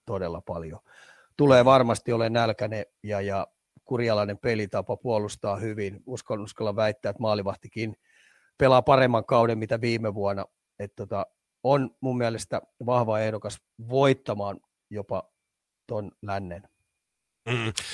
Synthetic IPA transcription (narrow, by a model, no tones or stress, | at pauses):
t̪odelːɑpɑljo | t̪uleːʋɑrmɑst̪iolennælkænejɑjɑ | kurjɑlɑinempelit̪ɑpɑpuolust̪ɑːhyʋinuskonuskɑlːɑʋæit̪ːæːet̪mɑːliʋɑht̪ikiːn | pelɑpɑremːɑŋkɑudemmit̪æʋiːmeʋuɑnːɑ | et̪t̪ot̪ɑ | onmummiælest̪æʋɑhʋɑehdokɑs | ʋoit̪ːɑmɑːn | jopɑ | t̪onlænːen̩ː